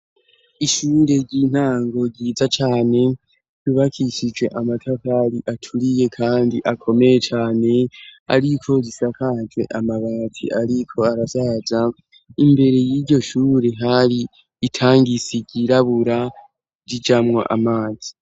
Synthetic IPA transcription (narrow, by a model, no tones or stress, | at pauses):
iʃuːɾe̞ɾɟin̥haːŋɡo̞ɟiːzat͡ʃaːne̞ | iβakʰiʃid͡ʒwe̞ʔamatʰakaɾiʔatʰuɾije̞kʰaːndiʔakʰo̞me̞je̞t͡ʃaːne̞a̰ɾikʰo̞ɾisakʰad͡ʒwe̞̰ʔamaβaːzḭʔaɾikʰo̞aɾasaza | imbe̞ɾe̞jiɾɟo̞ʃuːɾe̞ɦaɾiː | tʰaːŋɡisiɟiɾaβuɾa | ɾid͡ʒamŋo̰ʔa̰maːz̥i̥